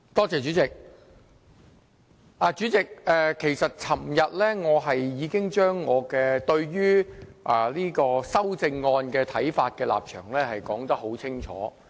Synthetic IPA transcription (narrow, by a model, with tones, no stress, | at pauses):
t̪ɔː˥t͡sɛː˨t͡ʃyː˨˥t͡sɪ˨k̚ | aː˨˧t͡ʃyː˨˥t͡sɪ˨k̚ɛː˧kʰe˨˩jsɐ˨t̚t͡sʰɐ˨˩mjɐ˨t̚lɛ˥ŋɔː˨˧ɦɐ˨jːiː˨˧kɪ˥ŋt͡ʃœː˥ŋːɔː˨˧kɛː˧t̪ɵ˧ɥɥyː˥ʔaː˨˩liː˥kɔː˧sɐ˥wt͡sɪ˧ŋːɔː˧nkɛː˧t̪ʰɐ˨˥jfaː˧t̚kɛː˧la̰ː˨p̚t͡ʃʰœ̰ː˨˩ŋlɛː˥hɐ˨jkɔː˨˥ŋt̪ɐ˥k̚ɦo˨˥wt͡sʰɪ˥ŋt͡ʃʰɔ̰ː˨˥